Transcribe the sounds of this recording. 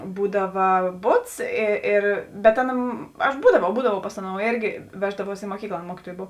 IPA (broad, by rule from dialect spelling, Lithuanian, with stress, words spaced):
ˈbuːdɐʋɐ ˈbʊts ɪ ˈɪr bʲɛt ˈɑːˌnɐ ɐʃ ˈbuːdɐʋɐʊ ˈbuːdɐʋɐʊ ˈpɐs ɐˌnoːʊ ˈeːrʲɡʲɪ ˈʋʲæːʒdɐʋuɔs ɪ muɔˈkʲiːklˠɐ ˈɑːˌnɐ ˈmuɔkʲɪtuɔjeː ˈboːw